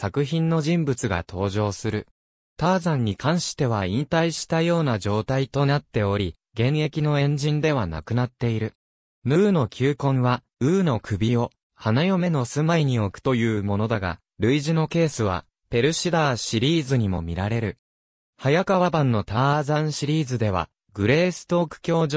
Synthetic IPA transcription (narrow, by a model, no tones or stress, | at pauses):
sakɯ̟çĩnːo̞ʑĩmbɯ̟t͡sɨɡa̰t̪ʰo̞ːʑo̞ːsɨɾɯ̟ | t̪aːzãɲ̟ːikãɰ̃ɕi̥t̪e̞β̞aĩnt̪aiɕi̥t̪ajo̞ːnaʑo̞ːt̪ait̪o̞nat̪ːe̞o̞ɾʲi | ɡẽ̞ɰe̞kʲino̞ẽ̞ɲ̟d͡ʑĩnd̪e̞β̞ana̰kɯ̟nat̪ːe̞iɾɯ̟ | mɯ̟ːno̞kʲʰɨːkõ̞ɰ̃βa | ɯ̟ːno̞kɯ̟bʲio̞ | hanajo̞me̞no̞sɨmaiɲ̟io̞kɯ̟̥t̪o̞jɯ̟ːmo̞no̞d̪aɡa̰ | ɾɯ̟iʑino̞ke̞ːsɨβ̞a̰ | pe̞ɾɯ̟ɕid̪aːɕiɾʲiːzɨɲ̟imo̞̰mʲiɾaɾe̞ɾɯ̟ | hajakaβabãnːo̞t̪aːzãɰ̃ɕiɾʲiːzɨd̪e̞β̞a̰ | ɡɯ̟ɾe̞ːsɨ̥t̪o̞ːkɯ̟̥kʲo̞ːʑ